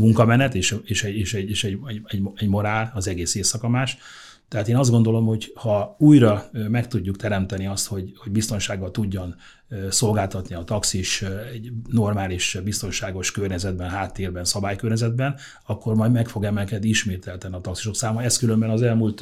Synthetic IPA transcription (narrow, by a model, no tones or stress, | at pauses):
muŋkɒmɛnɛt̪eːʃeːʃɛeːʃɛɟeːʃɛɟɛɛɟɛɟmo̞ɾaːlɒzɛɡeːseːsɒkɒmaːʃ | t̪ɛɦaːt̪eːnɒzd̪ɡo̞nd̪o̞lo̞mho̞ɟhɒuːjɾɒmɛkt̪uɟːukt̪ɛɾɛmt̪ɛniɒst̪ho̞ɟho̞ɟ̚bist̪o̞nʃaːɡːɒlt̪uɟːon | so̞lɡaːlt̪ɒt̪niɒt̪ɒksiʃɛɟno̞rmaːliʃbist̪o̞nʃaːɡo̞ʃkørɲɛzɛd̪̚bɛnɦaːt̪ːeːrbɛnsɒbaːjkørɲɛzɛd̪bɛn | ɒkːo̞rmɒjd̪mɛkfo̞ɡɛmɛlkɛd̪iiʃmeːt̪ɛlt̪ɛniɒt̪ɒksi̥ʃo̞ksaːmɒɛskylømbɛnɒzɛlmult̪